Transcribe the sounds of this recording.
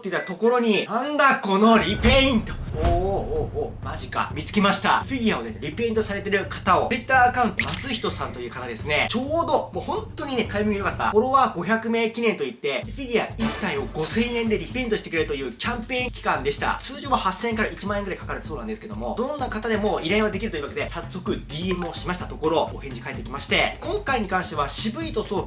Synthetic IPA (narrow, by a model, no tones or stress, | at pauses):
t̪eit̪ːat̪o̞ko̞ɾo̞ɲ̟inãnd̪ako̞no̞ɾʲipeĩnt̪oo | maʑika̰mʲit͡sɨ̥kʲimaɕi̥t̪a̰ɸʲiɡʲiao̞neɾʲipe̞ĩnt̪osaɾe̞t̪e̞ɾɯ̟kʰḁt̪ao̞ɨit̪ːaːakãɯ̟nt̪o̞mat͡sɨiçʲi̥t̪o̞sãnt̪o̞jɯ̟ːkat̪ad̪e̞sɨne̞t͡ɕo̞ːd̪o̞mo̞ːhõ̞nt̪ːo̞ɲ̟ine̞k̪ʰaimɯmijo̞kat̪ːa̰koɾo̞βaɡo̞çakɯ̟me̞ːkʲinẽ̞nt̪o̞it̪ːe̞ɸʲiɡʲia̰it̪ːaĩo̞ɡo̞sẽ̞ɰ̃ẽ̞nd̪e̞ɾʲipe̞ĩnt̪o̞ɕi̥t̪ekɯ̟ɾe̞ɾɯ̟t̪o̞jɯ̟ːkʲãmpẽ̞ːŋkʲi̥kãnd̪e̞ɕi̥t̪a̰t͡sɨːd͡ʑoːβahasːẽ̞ŋkaɾait͡ɕimãɰ̃eŋɡɯɾai̥kakaɾɯt̪e̥soːnãnd̪e̞sɨ̥ked̪o̞mo̞d̪õ̞nːakat̪ad̪e̞mo̞ːiɾaĩβad̪e̞kʲiɾɯoiɯβaked̪e̞sasːo̞kɯ̟d̪ʲiːemɯo̞ɕimaɕi̥t̪at̪o̞ko̞ɾo̞ohẽ̞ɲ̟d͡ʑikae̞t̪ːe̞kʲimaɕi̥t̪e̞kõ̞ŋkaiɲ̟ikãɰ̃ɕi̥t̪e̞βaɕibɯ̟it̪o̞so̞ː